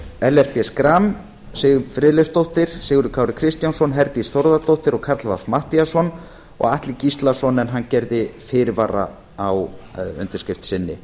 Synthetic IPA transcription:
ɛlɛr̥piɛskɾam | sɪːɣʏfɾɪðlest̪owht̪ɪɾ̥sɛːɣʏɾʏkʰaːwɾɪkʰɾɪst̪jansɔnɦɛɾt̪ist̪owɾðat̪owht̪ɪɾɔɣkʰaɾt̪lvafmaht̪iasɔn | ɔ̰ɣaht̪lɪcist̪lasɔnɛnɦanːcɛɾðɪfɪɾvaːra̰ | awʏ̰nt̪ɪɾ̥skɪft̪sɪnːɪ

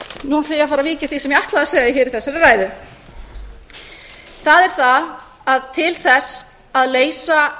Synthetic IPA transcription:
nuflɪːjafaːɾaviːcɪ̥θisɛmjɛaht̪laðaseːjɣaɪçɪːɾɪθɛsːɛɾɪraːjðʏ | θaðɛɾ̥θa | aðt̪ʰɪlθɛsː | aðleːjsa

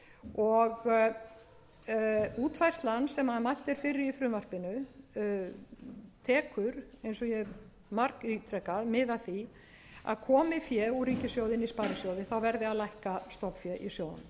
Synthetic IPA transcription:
ɔɣ | uːt̪fajrst̪lanːsɛmaðmajl̥t̪ɛɾ̥fɪɾːɪɾifɾʏmvar̥pɪnʏ | t̪ʰɛːkʏɾejnsɔjɛ | maɾkit̪ʰɾɛkaðmɪðaθi | a̰ðkʰɔːmɪfjɛuɾiːcɪsjoːwðɪnispaːɾɪsjowðɪθawvɛɾðɪaðlajhkast̪ɔpfjɛʔisjowðʏ̰n

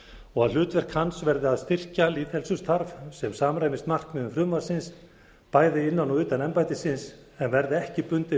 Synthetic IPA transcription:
ɔɣaðl̥ʏːt̪vɛɾ̥kʰansvɛɾðɪaðst̪ɪr̥caliːðhɛlsʏst̪ʰaɾvsɛmsaːmɾajmɪst̪mar̥kmɛðʏmfɾʏmvḁsɪns | paːjðɪɪnːanɔʏːt̪anɛmpajt̪ɪsɪns | ɛnvɛɾðɪɛhcɪpʏnt̪ɪ

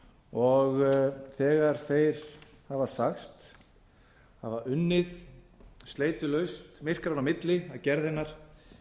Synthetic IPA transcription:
ɔɣθɛːɣaɾ̥θejɾ̥ | havasaxst̪ | havaʏnːɪð | st̪leːjt̪ʏlœɥst̪mɪr̥kaɾanamɪt̪lɪaðcɛɾðɛnːaɾ̥

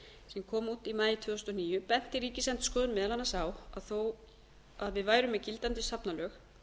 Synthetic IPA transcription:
sɛmkʰɔːmuːt̪imaːjɪt̪ʰvʏːst̪ɔniːjʏpɛn̥t̪ɪɾiːcɪsɛnt̪skɔːðʏnmɛðalhanːasawaðθow | aðvɪðvaːjɾʏmːɛðcilt̪ant̪ɪsapnalœːx

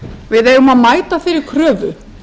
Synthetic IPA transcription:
vɪðɛːjɣʏmaðmaːjt̪afɪɾɪɾ̥kʰɾœːvʏ

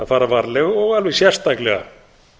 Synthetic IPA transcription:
afaːɾafaɾlɛɣɔɣalvɪsjɛr̥st̪aklɛɣa̰

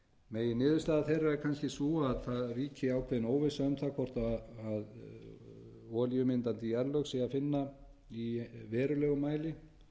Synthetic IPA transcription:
meːjɪnɪːðʏ̥st̪aːðaθejrːaɛkʰanscɪsuaðθaðriːcɪawkʰvɛðɪnoːwvɪsaʏmθakʰvɔr̥t̪aað | ɔːljʏmɪnt̪ant̪iɛɾlœsɪafɪnːa | ivɛːɾʏlɛːɣʏmaːjlɪ

